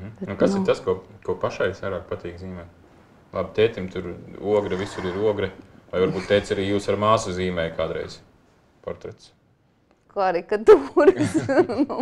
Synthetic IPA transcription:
hm̩nukasit̪askuɔkuɔpaʃajsʋajɾaːk̚pat̪iːkziːmɛt̪ | lˠab̚ʲt̪ʲɛjt̪imt̪ʰuɾuɔɡɾɛʋisuɾiɾuɔɡɾɛvajvaɾbuːt̪ːɛjt̪saɾiːjuːsaɾmaːsuziːmɛjkaːd̪ɾɛ̰jz̥ | pɔ̰ɾt̪ɾɛt̪s | kaɾikat̪uːɾs

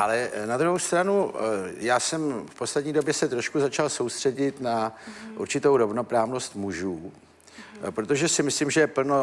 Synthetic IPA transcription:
ʔalɛnad̪ɾuɦo̞wst̪ɾanujaːsɛmfpo̞slɛd̪ɲiːdo̞bjɛsɛt̪ɾo̞ʃkuzat͡ʃalso̞wst̪r̝̥ɛɟɪt̪naʔṵɾt͡ʃɪt̪o̞wɾo̞vno̞pɾaːvno̞st̪muʒuː | pɾo̞t̪o̞ʒɛsɪmɪslimʒɛjɛpl̩no

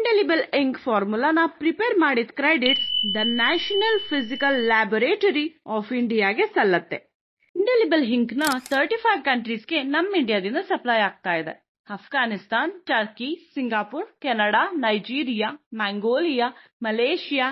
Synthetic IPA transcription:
iɳɖelibɐleŋkpʰaːɾmulanɐpɾipeːɾmaːɽid̪kɾeːɖiʈsd̪ɐnaːʃɐnɐlpʰizikɐlːaːboɾeːʈoɾiɔːfʰiɳɖijaːɡesɐlːɐt̪ːe | iɳɖelibɐlɦiŋknɐt̪ʰɐɾʈipʰɐjʋkɐɳʈɾiːsɡe̞nɐmːiɳɖijaːd̪ind̪ɐsɐplaːjaːɡ̚t̪aːjid̪ḛ | ɐpʰɡaːnist̪aːnʈɐɾkisiŋɡaːpuːɾkɛnɐɽaːnɐjd͡ʒiːɾijaːmaːŋɡoːlijaː | mɐleːʃijaː

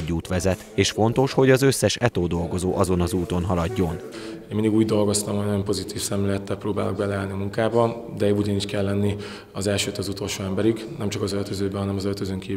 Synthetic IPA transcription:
ɟːuːt̪ʋɛzɛt̪eːʃfo̞n̪t̪o̞ʃho̞ɟɒzø̞sːɛʃɛt̪oːd̪o̞lɡo̞zoːʔɒzo̞nɒzuːt̪o̞nɦɒlɒɟːo̞n | eːnmind̪iɡuːɟd̪o̞lɡo̞st̪ɒmhojnojompo̞zit̪iːfsɛmɛlɛt̪ːɛlpɾoːba̰ːloɡ̚bɛlɛaːlniɒmuŋkaːbɒ | d̪ɛudɒniːʃkɛlːɛnːi | ɒzɛlʃøːt̪ɒzut̪o̞lʃoːɛmbɛɾiɡ | nɛmt͡ʃɒkɒzølt̪øzøːbɛɦɒnɛmɒzølt̪øzøːŋkiː

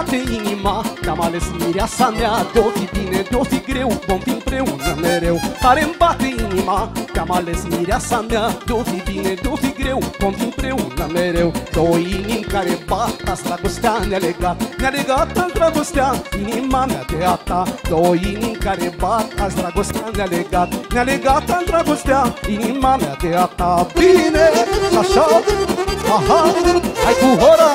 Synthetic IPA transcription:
t̪eiɲimanamalesimiɾʲasamjad̪ofibined̪ofiɡɾewubɔ̃nt̪impɾewuzamɛɾewkaɾembat̪eiɲimanʲamalesmiɾasamad̪ofibinẽd̪ofiɡɾewubɔ̃nt̪impɾewuzamɛɾewd̪ɔiɲikaɾembat̪asɾaɡost̪ʲanaleɡat̪naleɡat̪ad̪ɾaɡost̪ainimama̰d̪eat̪ad̪ɔiniŋkaɾebaɾt̪asd̪ɾaɡost̪analeɡat̪naleɡat̪ad̪ɾaɡost̪ainimama̰d̪eat̪abinekaʃa | aɦaajkuɦɔɾa

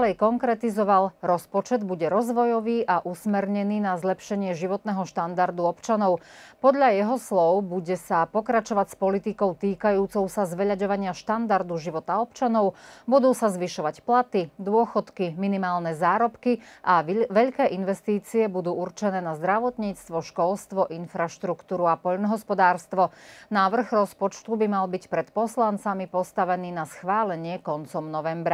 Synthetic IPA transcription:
lɛjkɔŋkɾɛt̪izɔʋalɾɔspɔt͡ʃɛd̪buɟɛɾɔzʋɔjɔʋiːʔaʔusmɛɾɲɛniːnazlɛpʃɛɲɪɛʒiʋɔt̪nɛɦɔʃt̪and̪aɾd̪uɔpt͡ʃanɔʊpɔd̪ʎajɛɦɔslɔʊbuɟɛsapɔkɾat͡ʃɔʋacspɔlit̪ikɔʊt̪iːkajuːt͡sɔʊsazʋɛʎaɟɔʋaɲɪaʃt̪and̪aɾd̪uʒiʋɔt̪aɔpt͡ʃanɔʊbud̪uːsazʋiʃɔʋacplat̪id̪ʊɔxɔt̪kiminimaːlnɛzaːɾɔpkiʔaʋɛʎkɛːʔinʋɛst̪iːt͡siɛbud̪uːurt͡ʃɛnɛːnazd̪ɾaʋɔt̪ɲiːt͡st̪ʋɔʃkɔlst̪ʋɔʔinfɾaʃt̪ɾukt̪uːɾuapɔʎnɔɦɔspɔd̪aːɾst̪ʋɔnaʋr̩ɣɾɔspɔt͡ʃt̪ubimalbicpɾɛt̪pɔslant͡samipɔst̪aʋɛniːnasxʋaːlɛɲɪɛkɔnt͡sɔmnɔʋɛmbɾa

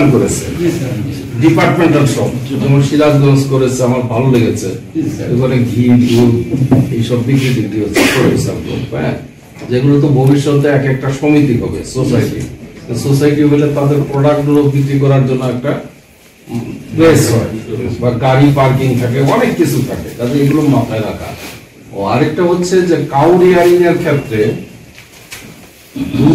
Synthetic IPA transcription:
nkoɾet͡ɕʰḛ | ɖipaɾʈmeɳʈaɾʃɔbd͡ʑɛmoʃilad͡ʑɡɔnskoɾet͡ɕʰeamaɾbʱaloleɡet͡ɕʰḛok̪ɔnekɡʱiɾɡuɾejʃɔbbikːɾit̪iʈiɦot͡ɕʰekoɾeisʰabko̰ɛ̰̃ | d͡ʑeɡulot̪̬obʱobiʃːot̪eɛkɛk̚ʈaʃomit̪iɦɔbḛsosajʈḭt̪esosajʈiɦelet̪ad̪eɾpɾɔɖak̚ɖuɾobik̪ːik̬ɔɾaɾd͡ʑonːoɛk̚ʈa | besɦɔebaɡaɾipaɾkiŋt̪ʰak̬eɔnekːit͡ɕʰut̪ʰaket̪ad͡ʑeeɡulomat̪ʰaeɾakʰa̰ | a̰ɾek̚ʈaɦotːɕʰed͡ʑekawɾiaɾiniaɾkʰet̪ːɾe | d̪u

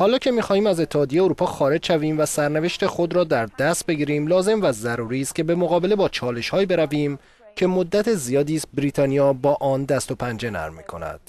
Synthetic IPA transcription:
hɒːlɒːcʰe̞miːxɒːhiːmæze̞t̪ʰːehɒːd̪ijejeoɾuːpʰɒːxɒːɾe̞d͡ʒʃæviːmvæsæɾneve̞ʃt̪e̞xo̞d̪ɾɒːd̪æɾd̪æst̪̚be̞ɡiːɾiːmlɒːze̞mvæzæɾuːɾiːst̪̚cʰebe̞mo̞ɣɒːbe̞le̞bɒːt͡ʃʰɒːle̞ʃhɒːjibeɾæviːm | cʰe̞mod̪ːæt̪ʰezijɒːd̪iːst̪̚bɾiːt̪ʰɒːnijɒːbɒːʔɒːnd̪æst̪o̞pʰænd͡ʒe̞næ̰ɾmḭːkʰo̞̰næ̰d̪̥

